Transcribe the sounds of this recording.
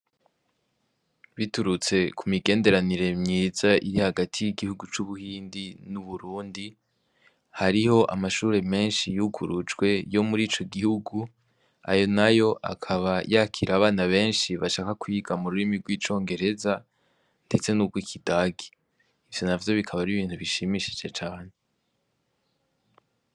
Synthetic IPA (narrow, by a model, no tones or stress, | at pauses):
βituɾut͡se̞kʰumiɡe̞ːnde̞ɾaniɾe̞mɲiːzaʔiɾihaɡatʰijiɡihuɡut͡ʃuβuhiːndinuβuɾuːndi | haɾiho̞ʔa̰maʃuːɾe̞me̞ːnʃijuɡṵɾut͡ʃɡwe̞jo̞muɾiːt͡ʃo̞ɡihuɡu | a̰jo̞najo̞ʔa̰kʰaβajakʰiɾaβaːnaβe̞ːnʃiβaʃaːkakwiːɡamuɾuɾimiɡwiːt͡ʃo̞ːŋɡe̞ɾe̞za | nde̞t͡senuɡɡwikʰidaːɡi | ivjo̞navjo̞βikʰaβaɾiβiːntuβiʃimiʃe̥d͡ʒet͡ʃaːne̞